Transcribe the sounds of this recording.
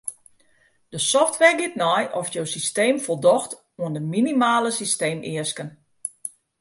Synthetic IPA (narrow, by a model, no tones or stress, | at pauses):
d̥əsɔftʋɛrɡɪtnɔjʔɔfjowsisteːmfolˠdɔxt | uəndəminimaːləsisteːmɪəskən